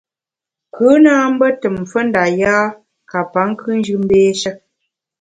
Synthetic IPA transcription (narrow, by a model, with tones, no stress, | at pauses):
kɯ˨˦na˦m̩˦bə˦tə˨mfə˦n̩˦da˨jaː˦ | ka˨pa˨˦ŋ˦kʰɨ˦n̩˦d͡ʒɯ˦m˦beː˦ʃə˦